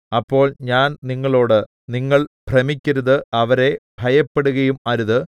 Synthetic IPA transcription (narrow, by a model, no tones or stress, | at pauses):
ɐpːo̞ːɭɲaːnniŋːɐɭo̞ːɽɨ | niŋːɐɭprɐmikʲːɐɾɐðɨɐʋɐɾe̞bʱɐjɐpːe̞ɽuɣɐjumaːɾuðɨ